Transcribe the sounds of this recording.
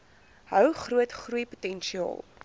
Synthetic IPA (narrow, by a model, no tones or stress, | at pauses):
ɦœwχruətχrujputɛnʃiɑ̰ːlˠ